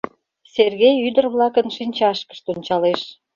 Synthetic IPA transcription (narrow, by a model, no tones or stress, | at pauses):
serɣejyd̪ərβlɑkənʃinʲt͡ɕɑʃkə̥ʃt̪onʲt͡ɕɑleʃ